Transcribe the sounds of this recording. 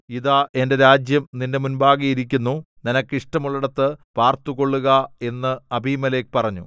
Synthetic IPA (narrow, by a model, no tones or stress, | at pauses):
iðaːʔe̞nde̞ɾaːd͡ʑjɐmninde̞munbaːɣɐjiɾik̬ʲːunːu | ninɐkːiʂʈɐmuɭːɐɽɐt̪ːɨpaːrt̪uɣo̞ɭːuɣɐe̞nːɨɐbʱiːmɐle̞ːkpɐrɐɲːṵ